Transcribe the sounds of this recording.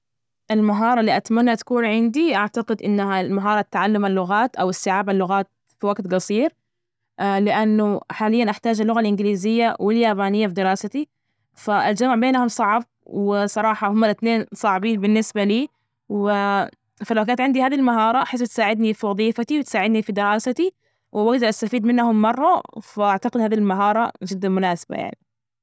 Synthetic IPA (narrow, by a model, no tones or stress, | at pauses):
ʔɪlmaɦɑːɾˤɑlːiːʔat̪manːat̪kuːnʕɪnd̪iʔaʕt̪aqɪd̪ʔɪnːahalmaɦɑːɾˤɑt̪ːʕalːamalːʊɣaːt̪ʔawɪsːɪʕaːbalːʊɣaːt̪̚ | fiwaɡt̪ɡɑsˤiːɾ | lɪʔanːʊħaːlɪjːanʔaħt̪aːd͡ʒalːʊɣalʔɪnɡɪliːzɪjːawʔɪljaːbaːnɪjːafd̪ɪɾɑːsat̪i | faʔɪld͡ʒamʕbeːnhʊmsˤɑʕb̚wɪsˤɑɾˤɑːħɑhʊmːalʔɪt̪neːnsˤɑʕbiːnbɪnːɪsbaliː | wɪ | falawkaːt̪ʕɪnd̪ihaːðilmaɦɑːɾˤɑʔħɪs̬t̪saːʕɪd̪nifiwɑðˤiːfat̪iwɪt̪saːʕɪd̪nifid̪ɪɾɑːsat̪i | wʔʔaɡd̪ɑɾˤʔast̪afiːd̪mɪnːhʊmːɑrˤːɑfaʔaʕt̪aqɪd̪haːðilmaɦɑːɾˤɑ̰d͡ʒɪd̪ːanmʊnaːsḁba̰ja̰ʕni